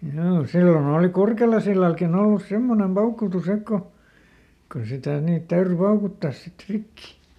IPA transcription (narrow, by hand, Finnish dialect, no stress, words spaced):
hjoː silːon oːli kurkelɑsilːɑlkin olːus semːonem pɑukutus ek ko ko sitæˑ niːt tæyry pɑukutːɑs sit rikːi